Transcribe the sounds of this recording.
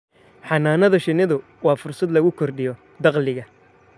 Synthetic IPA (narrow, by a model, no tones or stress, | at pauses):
ħɑnaːnɐðɐʃɪnɪðʊ | wɑːfʊrsɐd̪lɐɣʊkʰɔrɖɪjɔ | d̪ɑqlɪɣɐ